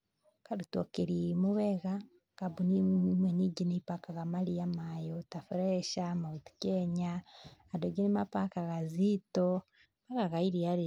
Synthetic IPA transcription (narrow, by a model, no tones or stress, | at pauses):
kaɾutokeɾimuβeɣa | kaβunimweniɟinipakaɣamalijamajotafuɾeʃamauti̥keɲaː | doɡinimapakaɣazito | maɣaɣaiɾiaɾe